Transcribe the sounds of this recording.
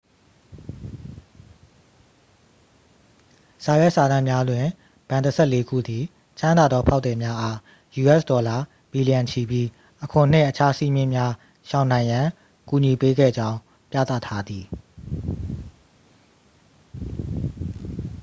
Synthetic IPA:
sa˨jɛ˦ʔsa˨dã˦˨mja˦dwɪ̃˨ | b̥ã˨ndə˨sʰɛ˦˨le˦ɡṵ˦˨d̪i˨ | t͡ɕʰã˦nd̪a˨d̪ɔ˦pʰa˦ʊʔt̪ɛ˨mja˦ʔa˦ | ju˨ʔɛ˦stɔ˨la˨ | b̥i˨li˨jã˨nt͡ɕʰi˨bji˦ | ʔəkʰʊ̃˨n̥ɪ̰̃˦˨ʔət͡ɕʰa˦sḭ˦˨mjɪ̃˦˨mja˦ | ʃã˨ʊ̃nã˨ɪ̃jã˨ | ku˨ɲi˨pe˦ɡɛ̰˦˨d͡ʑã˦ʊ̃ | pja̰˦˨t̪a̰˦˨tʰa˦d̪ði˨

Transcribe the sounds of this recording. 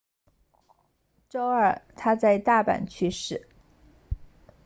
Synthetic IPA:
ʈ͡ʂo˥ʊə˞˨˩t̪ʰa˥t͡sa˥˧ɪt̪a˥˩pa̰˨˩nt͡ɕʰy˥˧ʂɻ̩˥˩

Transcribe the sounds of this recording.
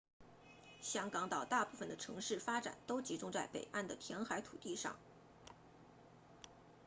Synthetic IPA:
ɕjɑ˥ŋkɑ˧˥ŋt̪ɑ˨˩ʊt̪a˥˧pu˥˩fə˩nd̪ə˩ʈ͡ʂʰɤ˧˥ŋʂɻ̩˥˩fa˥ʈ͡ʂa̰˨˩nt̪o˥ʊt͡ɕi˧˥ʈ͡ʂʊ˥ŋt͡sa˥˩ɪpḛ˨˩ɪʔa˥˩nd̪ə˩t̪ʰjɛ˧˥nxa˧˥ɪt̪ʰu˨˩t̪i˥˧ʂɑ̰˥˩ŋ

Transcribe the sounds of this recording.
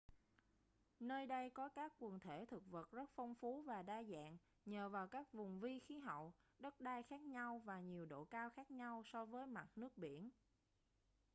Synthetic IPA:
nəː˧jɗə˧jkɔ˨˦kaː˦˥kːwi˨˩ənt̪ʰe˧˩t̪ʰɨ˨˩k̚və˨˩t̚zə˦˥t̚fɔ˧wŋ͡mfu˨˦vaː˨˩ɗaː˧za̰ː˧˨ŋ | ɲəː˨˩vaː˨˩wkaː˦˥k̚vʊ˨˩ŋ͡mvi˧xi˨˦ɦɔ̰˧˨wɗə˦˥t̚ɗaː˧jxaː˦˥k̚ɲa˧wvaː˨˩ɲi˨˩əwɗo̰˧˨kaː˧wxaː˦˥k̚ɲa˧wsɔ˧vəː˨˦jma˨˩t̚nɨ˦˥ək̚ɓi˧˩ən

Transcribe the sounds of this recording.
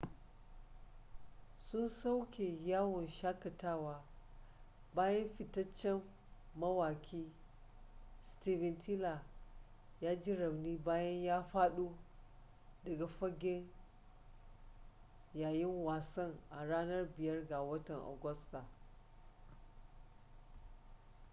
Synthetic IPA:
sʊ˦nsa˦wkʲeː˨jaː˦wɔ˨nʃaː˦kɐ˨taː˦waː˦ | baː˦jɐ˦mɸɪ˨tɐ˦t͡ʃːɛ˦mː | ɐ˦waː˨kʲiː˦ | stiː˦vɛ˨ntʰɪ˦la˨ | jaː˦d͡ʒɪ˦ɾɐ˨bniː˦baː˦jɐ˦ɲjaː˦ɸaː˦ɗu˦ | dɐ˨ɡa˨ɸɐ˦ɡʲɪ˦n | jaː˨jɪ˦ŋwaː˨sɐ˦ŋʔa˨ɽaː˦nɐ˦rbɪ˨jɐ˦rɡa˨wɐ˦tɐ˨ŋʔo̰˨ɡʷʊ˦sta˨

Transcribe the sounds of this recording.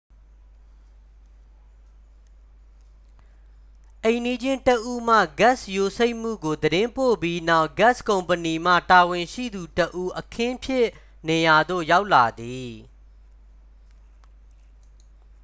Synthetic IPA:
ʔẽ˨ɪ̃ndi˦d͡ʑɪ̃˦ntəʔu˦m̥ä̰˦˨ɡa˦˨sjo˨se˦ɪʔm̥ṵ˦˨ɡo˨d̪əɾɪ̃˦mpo̰˦˨pji˦na˦ʊʔɡa˦skõ˨ʊ̃mpəni˨m̥ä̰˦˨ta˨wɪ̃˨ʃḭ˦˨d̪u˨təʔu˦ʔəkʰɪ̃˦pʰjɪ˦˨ | ne˨ja˨d̪o̰˦˨ja˦ʊʔla˨d̪i˨

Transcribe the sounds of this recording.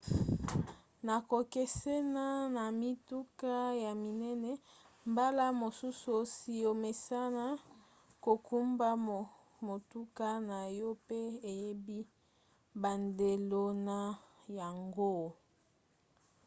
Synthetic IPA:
na˨ko˨ke˦se˦na˦na˨mi˦tu˦ka˦ja˨mi˨nɛ˦nɛ˦ | mba˦la˦mo˨su˦so˨si˨jo˨me˨sa˦na˦ | ko˨ku˦mba˦ | mo˨tu˦ka˦na˨jɔ˦pe˦e˨je˦bi˦ | ba˨nde˨lo˨na˨ja˨ŋɡo˦

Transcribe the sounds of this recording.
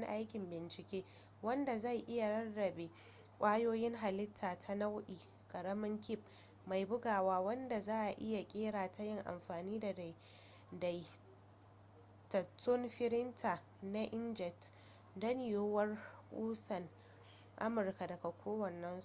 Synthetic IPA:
ŋ˦ʔa˦jkʲɪ˨mbɪ˨nt͡ʃɪ˨kʲeː˦ | wɐ˦nda˨za˦˨jʔɪ˦ja˨ɽɐ˦nɽɐ˨be˨ | kʷʼaː˦joː˦jɪ˦ŋɦa˨lɪ˦tʰːaː˨tʰa˦na˦wʔiː˨ | kʼɐ˨ɽɐ˦mɪ˦ŋkʲɪ˦˨p̚ | ma˨jbʊ˦ɡaː˨waː˦wɐ˦nda˨zaː˦ʔa˨ʔɪ˦ja˨kʲʼeː˦ɽaː˨ta˦jɪ˦ŋʔa̰˨mɸaː˨niː˦da˨d | da˨j | tɐ˨tʰːʊ˦nɸɪ˦ɾɪ˦ntʰa˨ | na˦ʔɪ˦nd͡ʒɛ˨t | dɐ˦nɪ˨joː˦wɐ˦rkʷʼuː˦sɐ˨n | ʔa̰˦mʊ˨rka˨dɐ˨ɡa˨kʷoː˦wɐ˨nːɐ˦ns

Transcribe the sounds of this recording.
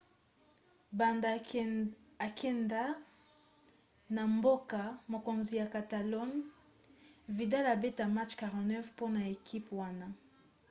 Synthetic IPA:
ba˨nda˨ | a˨kʰɛ˦nda˦ | na˨mbo˦ka˨mo˨ko˨nzi˨ja˨ka˨ta˨lɔ˦n | vi˨da˦la˨be˦ta˨ma˦t͡ʃka˨ʁã˨tnɛ˦fpo˦na˨e˨kʰi˦pwa˦na˦

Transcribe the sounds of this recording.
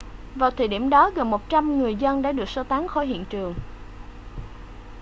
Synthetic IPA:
vaː˨˩wt̪ʰə˧˩jɗi˧˩mɗɔ˨˦ɣə˨˩nmo˨˩t̚t͡ɕa˧mŋɨ˨˩əjzə˧nɗa̰ː˧˥ɗɨ˨˩ək̚so˧wt̪aː˨˦nxɔ̰˧˩jɦḭ˧˨ənt͡ɕɨ˨˩əŋ

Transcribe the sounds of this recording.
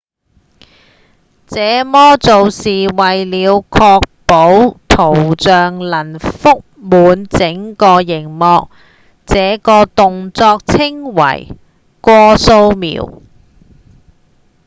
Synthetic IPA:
t͡sɛː˨˥mɔː˥t͡so˨wsiː˨wɐ˨jliː˨˧wkʰɔː˧k̚po˨˥wt̪ʰo˨˩wt͡ʃœː˨ŋlɐ˨˩nfʊ˥k̚muː˨˧nt͡sɪ˨˥ŋkɔː˧jɪ˨˩ŋmɔː˧k̚ | t͡sɛː˨˧kɔː˧t̪ʊ˨ŋt͡sɔː˧k̚t͡sʰɪ˥ŋwɐ̰˨˩j | kʷɔː˧so˧wmḭː˨˩w

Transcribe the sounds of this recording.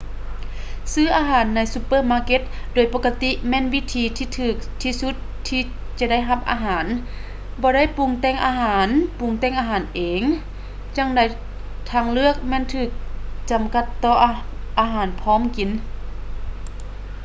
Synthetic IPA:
sɯː˧˥˩ʔaː˧ɦaː˨˩˦nːa˧˥jsu˧pːɤː˧˩˨maː˧˥ke˧˦t̪̚doː˨˩jpoː˧˥ka˧t̪i˧˥mɛː˧˥˨nwi˦˧˥t̪ʰiː˧˦t̪ʰiː˧t̪ʰɯː˧˩k̚t̪ʰiː˧su˧˥t̪̚ʰːiː˧˩ | t͡ɕa˧da˥˩˨jɦa˧p̚ʔa̰ː˧ɦaː˩˦n | bɔː˧˦ɾa˥˨jpu˧˩ŋt̪ɛː˧˥˨ŋʔaː˧ɦaː˨˩˦npu˧˩ŋt̪ɛː˧˩ŋʔaː˧ɦaː˨˩˦nʔeː˨˦ŋ | t͡ɕa˧˩ŋda˧˩j | t̪ʰaː˧˥˩ŋlɯ˥˩ək̚mɛː˧˥˨nt̪ʰɯː˧˩k̚t͡ɕa˨˩mka˧˥t̪ːɔː˧˩ʔʔaː˧ɦaː˨˩˦npʰɔː˧˥˨mki˨˦n

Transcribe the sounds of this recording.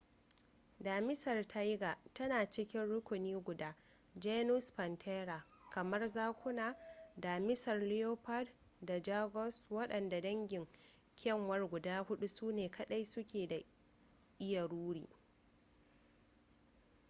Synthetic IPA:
daː˨mɪ˦sɐ˨rtʰa˦jɡa˨tɐ˦naː˨t͡ʃɪ˦kʲɪ˦nɽʊ˦kʷʊ˨niː˦ɡʷʊ˨daː˦ | d͡ʒe˦nʊ˦spɐ˨ntʰeː˦ɾa˨ | kɐ˨mɐ˦rzaː˦kʷʊ˦naː˨daː˨mɪ˦sɐ˨rlɪ˦joː˦pa˦d | da˨d͡ʒa˦ɡɔ˦swɐ˦ɗɐ˨nda˨dɐ˦ŋɡʲɪ˨ŋ | kʲɛ˦˨ŋwɐ˦rɡʷʊ˨daː˦hʊ˦ɗu˦suː˦neː˨kɐ˨ɗa˦jsʊ˦kʲeː˨da˨ | ʔɪ˦ja˨ɽuː˦ɽḭː˨

